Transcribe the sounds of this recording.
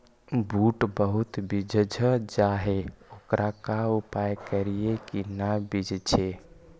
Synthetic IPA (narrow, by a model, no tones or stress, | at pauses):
buʈbəɦut̪bid͡ʒʱd͡ʒʱəd͡ʒaɦeokɾʔakaupajkəɾijekinabid͡ʒʱt͡ʃʰe